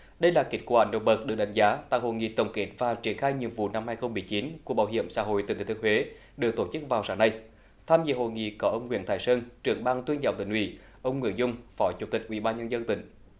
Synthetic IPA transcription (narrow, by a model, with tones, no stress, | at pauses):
ɗə˧jlaː˨˩ki˨˦˥t̚kwaː˨˩no˧˩ɓə˨˩k̚ɗɨ˨˩ək̚ɗa˨˦jŋ̟zaː˨˦t̪a̰ː˧˨ŋho̰˧˨jŋḭ˧˨t̪ə˨˩wŋ͡mke˨˦˥t̚vaː˨˩t͡ɕi˧˩ənxaː˧jɲḭ˧˨əŋvṵ˧˨na˧mhaː˧jxə˧wŋ͡mmɨ˨˩əjt͡ɕi˨˦nku˧˩ək̚ɓaː˧˩wɦḭ˧˨əmsa̰ː˧˦ɦo̰˧˨jt̪ɨː˨˧˩t̪ʰːt̪ʰːhwe˨˦ | ɗɨ˨˩ək̚t̪o˧˩t͡ɕɨ˦˥k̚vaː˨˩wsaː˨˦ŋna˧j | t̪ʰaː˧mzḭ˧˨ɦo̰˧˨jŋḭ˧˨kɔ˨˦ʔə˧wŋ͡mŋwḭ˧˥ənt̪ʰa̰ː˧˩jsəː˧nt͡ɕɨ˧˩əŋɓaː˧ŋt̪wi˧ənzaː˧˩wt̪ï˧˩ŋ̟ʔwḭ˧˩˦ | ʔə˧wŋ͡mŋwḭ˧˩əzʊ˧ŋ͡mfɔ˨˦t͡ɕu˧˩t̪ï˨˩k̟̚ʔwḭ˧˩ɓaː˧nɲə˧nzə˧nt̪ï˧˩ŋ̟